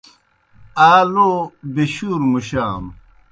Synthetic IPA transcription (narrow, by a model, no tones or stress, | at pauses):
aːloːbiɕuːɾmuɕaːm